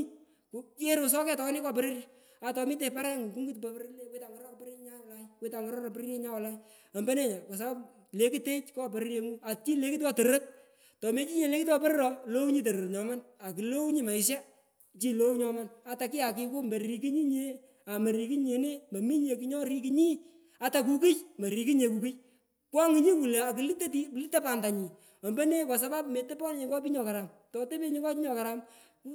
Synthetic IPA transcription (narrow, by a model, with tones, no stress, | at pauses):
ku˦e˦ɾo˨s̬ɔ˦kɛ˦tɔ˨˦nɪ˦kɔ˦pe˦ɾrja˦ | a˨tɔ˨mi˦t̬e˨pa˦ɾɛ˦ŋu˨ku˦ŋɡu˦tpa˧pɾle˦kwi˦ta˨ŋɡɔ˦ɾɔ˦pɾi˦ɲa˦˨la˦jkwi˦ta˨ŋɡɔ˦ɾɔ˦ɾɔ˧pɾi˦ɾe˦ɲa˦wla˦j | a˨mbɛ˦ne˦˨ɲa˨kɔ˨s̬a˦ | le˨ki˦te˦t͡ʃkɔ˦pe˨ɾe˦ɾje˧ŋu˦a˨t͡ʃi˦le˦ki˦t̬wa˦tə˨ɾə˦t̚ | tɔ˨me˦t͡ʃi˦ɲe˨le˦ki˦twa˦pe˦ɾɪ˦ɾɔ˨lo˦u˦ɲi˦t̬e˨ɾə˨ɲɔ˨ma˦na˨ki˨lo˦u˦ɲi˦ma˨ɪ˨s̬a˦ | t͡ʃi˦lo˦u˦ɲɔ˦ma˦na˨ta˨kɪ˦ja˨kɪ˧ko˦mbe˨i˨ki˦ɲi˦ɲe˦ | a˨ma˨ɾi˨ki˦ɲe˨˦ne˦mba˨mi˦ɲ˦e˨ki˦ɲɔ˦ɾi˦k̬i˧ɲi˦ | a˨ta˨k̬u˦ki˦jmɐ˨ɾi˨ki˦ɲe˨ku˨ki˦j | kwa˦ŋi˨˦ɲi˦ku˨le˨a˨ki˨li˦tːe˦ti˦˨li˦ta˦pa˨nda˨ɲi˨ | ɔ˨mbe˦ne˦kɔ˨s̬a˦ba˦pme˨te˦pɔ˦n˦ɲe˨ŋɡɔ˦p̬i˦ɲɔ˨ka˨ɾa˨m | tɔ˨te˦pe˦ɲi˦ŋɡɔ˦pi˦ɲɔ˨ka˨ɾa˦m